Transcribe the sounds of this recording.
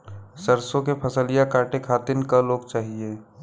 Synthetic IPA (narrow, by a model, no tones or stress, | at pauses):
səɾsõkepʰəsəlijakaːɾʈekʰaːt̪ɪnkəloːɡt͡ʃaːɦieː